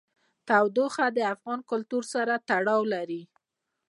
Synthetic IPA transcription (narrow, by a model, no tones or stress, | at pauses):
t̪awd̪oxad̪əafɣɑnkʊlt̪uɾsaɾat̪aɽɑwlaɾi